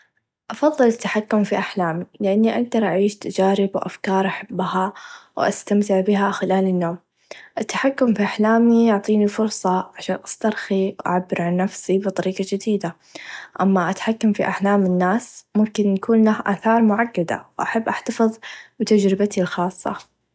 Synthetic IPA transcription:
ʔɑfɑðˤːɨlɪt̪ːaħakːʊmfiʔaħlaːmilɪʔanːiʔaɡ̚d̪ɑɾˤʔaʕiːʃt̪ad͡ʒaːɾɪbwʔa̰fkɑːɾˤʔaħabːhawʔa̰st̪amt̪ɪʕbɪɦaxɪlaːlɪnːoːm | ʔɪt̪ːḁħakːʊmfiʔaħlaːmijʊʕt̪ˤiːnifʊɾsˤɑʕaʃaːnʔast̪ɑɾˤxiwʔa̰ʕabːɪɾʕanːafsibɨt̪ˤɑɾiːqɑd͡ʒɪd̪iːd̪a | ʔamːaʔat̪ḁħakːamfiʔaħlaːmɪnːaːsmʊmkɪnjakuːnlahʔa̰ːθɑːɾˤmʊʕaɡːad̪a̰wʔaħabːʔaħt̪afɨðˤbɪt̪ad͡ʒɾɪbat̪ilxɑːsˤːɑ̰

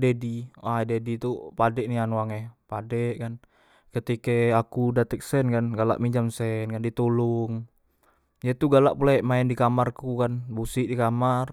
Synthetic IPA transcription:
dediwadedit̪upadɛʔnianuaŋɛpadɛʔkan | kət̪ikeakudat̪ɛk̚sɛnkanɡala̰ʔmid͡ʒamsɛnkandit̪uluŋ | jat̪uɡalaʔpulaɛʔmaɛndikamarkukanbusiʔdikamar

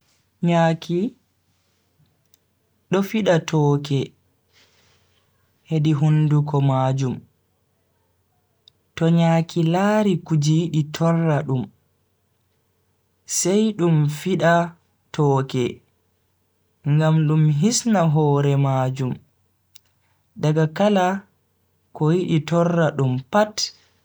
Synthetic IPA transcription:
ɲaːkʰi | ɗɔfiɗatʰɔːkɛ | hediɦundukɔmaːd͡ʒum | tɔɲaːkilaːɾikud͡ʒiɗitʰɔrːaɗum | sɛjɗumfiɗa | tɔːkɛ | ŋɡamɗumɦisnaɦɔːɾɛmad͡ʒum | ɗaɡakala | kɔjiɗitɔrːaɗumpat

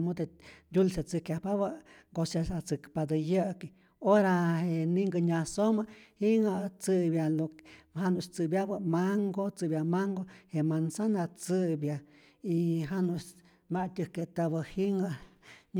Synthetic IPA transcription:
mud̪endʲulsat͡sɨkjapabaŋɡosasat͡sɨkpad̪ɨjəki | oɾahenĩŋɡəɲãsomahiŋat͡sɨbjalohanũt͡sɨbjabamaŋɡot͡sɨbjamaŋɡohemansanat͡sɨbja | iɦanũ | maʔt̪ʲəket̪abəhiŋaɲ

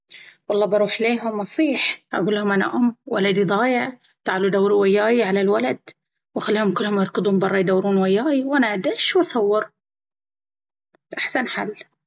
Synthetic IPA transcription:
wɑlˤːɑːbɑɾˤuːħleːɦʊmːɑsˤiːħʔa̰ɡuːlːahʊmʔana̰ʔʊmːwa̰lad̪id̪ˤɑːjɪʕ | t̪aʕalud̪awːɾwajːaːjʕalalwalad̪ | wxalːiːhʊmkʊlːhʊmjɑɾˤkɨd̪ˤhʊmbɑrˤːɑjd̪awːɾuːnwajːaːjiwʔanaʔad̪aʃwasɑwːɑɾ | ʔaħsanħa̰lː

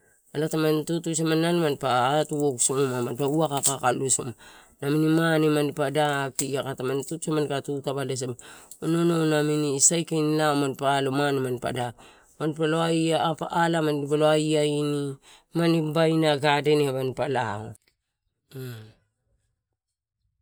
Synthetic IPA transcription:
alatamantutus̬amanːanmanpatuoksomamaauakakakalusoma | naminimanemandipadakiɡakatamantutusamankatutaβales̬emaonononaminisajkinlaomanpalomanemanpa̰dak̚ | manpaloaiapaːlamandibaloaiaini | manibajnaɡadeneβanpala̰o̰

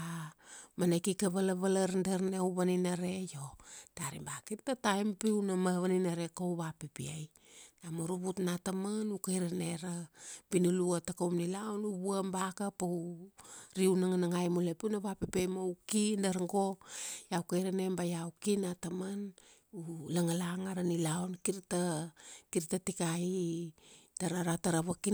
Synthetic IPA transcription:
amanekikaβalaβalaɾndaɾnewβaninaɾe̞jotaɾḭmbakittatajmpiwnamaβaninaɾe̞kowβapipiaj | namoɾuβutnatamanukajɾane̞ɾabinuluatakowmnilaonuβuambakapow | ɾiunaŋanaŋajmolepiunaβapepiajmaukindaɾŋɡo̞jawkajɾanembajawkinataman | ulaŋalaŋaɾanilaonkiɾtakiɾtatikai | d̥aɾaɾataɾaβaki

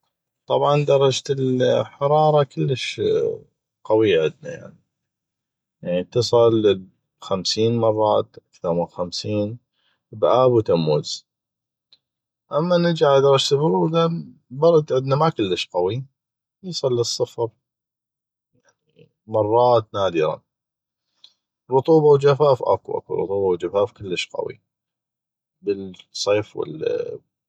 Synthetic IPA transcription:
t̪ˤɑbʕɑnd̪ɑɾˤɑd͡ʒt̪ɪlħɑɾˤɑːɾˤɑkəlːəʃ | qɑwiʕɪd̪na̰ja̰ʕni | jaʕnit̪ɨsˤɨl | xamsiːnmɑrˤːɑːt̪ʔakθɑɾˤmɪlxamsiːn | bʔaːbwt̪amːuz̥ | ʔamːanɪd͡ʒaʕd̪ɑɾˤɑd͡ʒt̪bʊɾuːd̪a | bɑɾˤɑt̪ʕɪd̪namakəlːəʃqɑwi | wjisˤɑlːisˤːɨfɾ | jaʕni | mɑrˤːɑːt̪naːd̪ɪɾɑ̰ | ɾˤʊt̪ˤuːbɑwd͡ʒafaːfʔa̰kṵʔa̰kṵɾˤʊ̰t̪ˤuːbɑwd͡ʒafaːfkəlːəʃqɑ̰wḭ | bəlsˤeːfwɪ̰l

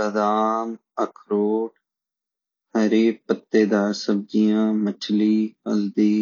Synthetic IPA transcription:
əd̪aːm | əkʰɾoːʈ | həɾiːpːət̪ːeːd̪aːɾsəb̚d͡ʒijãːmət͡ʃʰliːəld̪iː

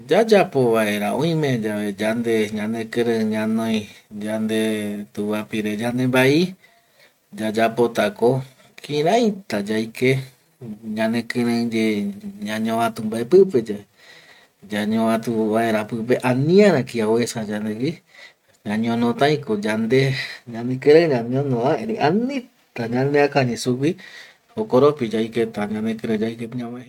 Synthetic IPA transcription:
d͡ʒad͡ʒapo̞βaeɾaõĩmẽd͡ʒaβe̞d͡ʒand̪e̞ɲãnekɨ̃ɾə̃ɲãnõj̃d͡ʒand̪et̪uβapiɾed͡ʒand̪embai | d͡ʒad͡ʒapo̞t̪ako | kʰĩɾãjt̪ad͡ʒajke | ɲãnekɨ̃ɾẽd͡ʒeɲãɲõβãt̪umbaepɨpe̞d͡ʒae | d͡ʒaɲõβãt̪uβaeɾapɨp̬eʔanĩãɾãkiawesad͡ʒand̪eki | ɲãɲõnõt̪ãĩkod͡ʒand̪eɲãnẽkɨɾãɲãɲĩõnõβaeɾĩʔanĩ | t̪aɲãnd̪eakaɲẽsuki | hokoɾopid͡ʒajket̪aɲãnẽkɨɾãd͡ʒaikepɲãmae

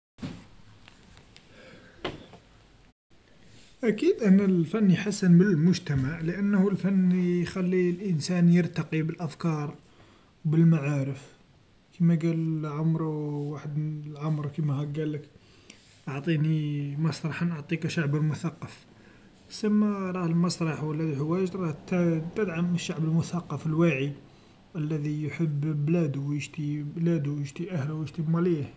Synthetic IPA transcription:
ʔækid̪ʔænælfænːjħasːənbəlmʊʒt̪æmaʕləʔænːhulfænːjxælːilʔənsænjəɾt̪ɑqibəlʔæfkɑɾˤ | wbəlmaʕaɾəf | kʰimæɡælʕʊmɾwaħəd̪lʕamɾkimæhæɡælːək | ʔɑʕt̪ˤinimɑsˤɾˤɑħanʔʊʕt̪ˤikæʃaʕbəlmʊθɑqːɑf | səmːæɾˤɑhəlmɑsˤɾˤɑħwəlːæðiħəwæʒt̪ɾˤɑht̪t̪ːəd̪ʕaməʃːaʕbəlmʊθɑqːɑfəlwaʕi | ʔəlːæðijħəbːblæd̪uwjəʃt̪iblæd̪uwjəʃt̪iʔæhluwjəʃt̪imalih

